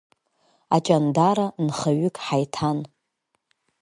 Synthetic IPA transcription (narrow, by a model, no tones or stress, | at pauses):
at͡ʃʼandaɾanχaɥʏkʼħajtʰan